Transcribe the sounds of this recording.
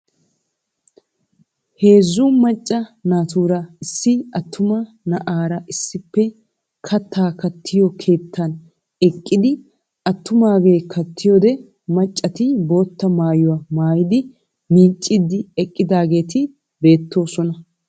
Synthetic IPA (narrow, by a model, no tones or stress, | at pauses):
he̞ːzːumɐt͡ʃʼːɐnaːt̪uːɾɐɪsːɪɐt̪ːʊmɐ | nɐʔaːɾɐʔɪsːɪpːɛ | kʰɐt̪ʰːaːkɐt̪ʰːɪjɔkʰe̞ːt̪ʰːɐn | ɛkʼːɪd̪ɪ | ʔɐt̪ːʊmaːɡe̞ːkʰɐt̪ʰːɪjɔd̪ɛ | mɐt͡ʃʼːɐt̪ɪbo̞ːt̪ːɐmaːjʊwɐmaːjɪd̪ɪ | miːt͡ʃʼːɪd̪ɪɛkʼːɪd̪aːɡe̞ːt̪ɪ | be̞ːt̪ːo̞ːsɔnɐ